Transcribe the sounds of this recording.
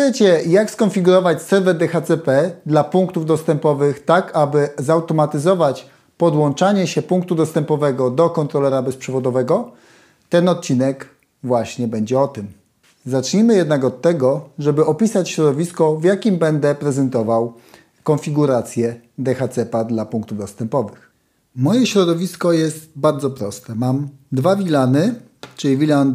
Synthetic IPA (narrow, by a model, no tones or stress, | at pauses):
ɛt͡ɕɛjakskɔnfʲiɡuɾɔvat͡ɕsɛɾvɛɾd̪ɛxat̪sɛpɛd̪lapuŋk̚t̪uvd̪ɔst̪ɛmpɔvɘxt̪akabɘzawt̪ɔmat̪ɘzɔvat͡ɕ | pɔd̪wɔnt͡ʂaɲɛɕɛpuŋk̚t̪ud̪ɔst̪ɛmpɔvɛɡɔd̪ɔkɔnt̪ɾɔlɛɾabɛspʂɛvɔd̪ɔvɛɡɔ | t̪ɛnɔt̪̚t͡ɕinɛk | vwaɕɲɛbɛɲd͡ʑɛɔt̪ɘm | zat͡ʂɲimɘjɛd̪nakɔt̪ːɛɡɔʐɛbɘɔpʲisat͡ɕɕɾɔd̪ɔvʲiskɔvjakʲimbɛnd̪ɛpɾɛzɛnt̪ɔvaw | kɔnfʲiɡuɾat̪sʲjɛd̪ɛxat̪sɛpad̪lapuŋk̚t̪uvd̪ɔst̪ɛmpɔvɘx | mɔjɛɕɾɔd̪ɔvʲiskɔjɛst̪baɾd̪zɔpɾɔst̪ɛmamd̪vavʲilanɘ | t͡ʂɘlʲivʲilan